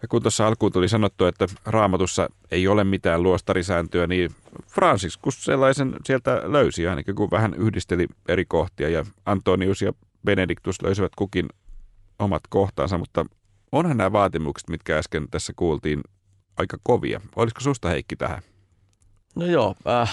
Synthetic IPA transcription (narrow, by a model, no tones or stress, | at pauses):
jɑkunt̪osːɑɑlkuːnolisɑnot̪ːuet̪ːærɑːmɑt̪usːɑ̰ | eiolemmit̪æːluost̪ɑɾisæːnt̪yæniːfrɑnsiskussḛlːɑisensielt̪æløysiɑinɑ̰kikuʋʋæhænyhdist̪elieɾikoht̪iɑjɑɑnt̪ːˑoniusjɑ̰ | b̥enedikt̪uslʔø̰ysiʋæt̪kukin | omɑ̰t̪koht̪ɑ̰ːnsɑmut̪ːɑ | onhɑnnæːʋɑːt̪imukse̥t̪mit̪kæɑskent̪æsːækuːlt̪iːn | ɑikɑkoʋḭɑ̰o̰lisko̥sust̪ɑheikːit̪æ̰hæ̰ | nojoː